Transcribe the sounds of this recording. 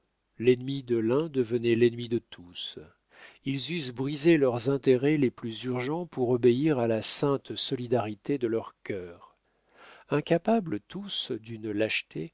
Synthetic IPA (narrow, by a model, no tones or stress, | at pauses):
lɛnmid̪əlɛ̃d̪əvənɛlɛnmid̪ət̪ʰus | ilzysbʁizelœʁzɛ̃t̪eʁɛleplyzyʁʒɑ̃puʁɔbeiʁalasɛ̃t̪sɔlid̪aʁit̪ed̪əlœʁkʲœːʁ | ɛ̃kʲapablət̪ʰusd̪ynlaʃt̪e